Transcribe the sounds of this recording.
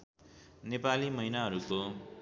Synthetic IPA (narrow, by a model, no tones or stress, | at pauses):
nepalimʌɦinaɦʌɾuko